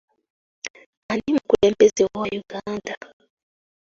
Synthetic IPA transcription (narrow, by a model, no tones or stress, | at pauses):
animukulɛmpʼɛziwɔwajuɡ̥aːndʱa